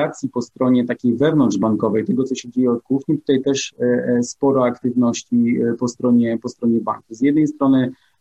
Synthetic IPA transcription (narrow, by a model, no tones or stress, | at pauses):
at̪sʲjipɔst̪ɾɔɲɛt̪akʲejvɛvnɔndʐbaŋkɔvɛjt̪ɛɡɔt̪sɔɕɛd͡ʑejɛɔt̪̚kuxɲit̪u̥t̪ajt̪ɛʂspɔɾɔakt̪ɘvnɔɕt͡ɕipɔst̪ɾɔɲɛpɔst̪ɾɔɲɛba̰ŋkuzʲjɛd̪nɛjst̪ɾɔnɘ